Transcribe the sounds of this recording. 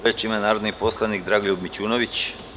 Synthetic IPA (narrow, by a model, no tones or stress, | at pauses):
ut͡ɕimanaːɾod̪nipo̞slˠanikd̪ɾaːɡoʎʲubmit͡ɕuːnoʋit͡ɕ